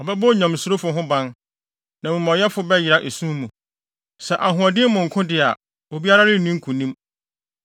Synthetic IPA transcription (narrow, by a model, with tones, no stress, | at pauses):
ɔ˨bɛ˦bo˦ɲã˨m˨sʊ˨ɾo˦fʊ˨ɦʊ̃˦bã˦n | nã˨mũ˨mɔ̃˨jɛ˦fʊ˨˦bɛ˦ji˨ɾa˦˨ʔe˨sũ˦mũ˨ | sɛ˨ʔa˨ɦʊ̃˨ɔ˨dɪ˦mʊ̃˨ŋ̩˨kʰʊ̃˦dɪ˨a˨ | o˨bi˦a˦ɾa˦ɾɪ˦˨nĩ˦ŋ̩˦kʰũ˨nĩ˦m